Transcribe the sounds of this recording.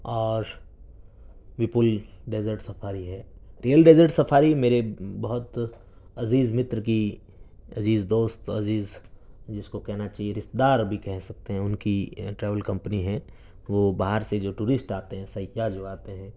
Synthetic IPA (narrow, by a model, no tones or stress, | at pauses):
ɔːɾ | ʋɪpʊlɖeːzəɾʈsɐpʰaːɾiɦɛːɾijəlɖeːzəɾʈsɐpʰaːɾimeːɾebɐɦʊt̪ | ɐziːzmɪt̪ɾəki | ɐziːzd̪oːst̪ɐziːzd͡ʒɪskokɛɦnat͡ʃaːɦieɾɪst̪d̪aːɾbʱikɛɦsɐk̚t̪eɦɛ̃ʊnkiʈɾɛːʋəlkɐ̃mpəniɦɛ̃ | ʋoːbaɦəɾsed͡ʒoːʈuːɾɪsʈaːt̪eɦɛ̃sɐɪad͡ʒoːaːt̪eɦɛ̃ː